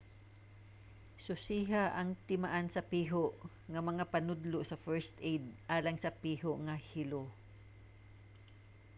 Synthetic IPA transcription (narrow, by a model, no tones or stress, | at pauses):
sʊsiːɦaʔɐŋt̪ɪmaʔansɐpiːɦoʔ | ŋɐmɐŋapɐnʊd̪losɐfɛɹst̪ʔejd̪̚ʔaːlɐŋsɐpiːɦoʔŋɐhɪlo